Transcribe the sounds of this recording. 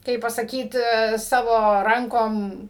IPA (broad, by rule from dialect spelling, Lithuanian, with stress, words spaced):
ˈkɐɪp pɐsɐˈkʲiːt ˈsɑːʋoː ˈrɐŋkoːm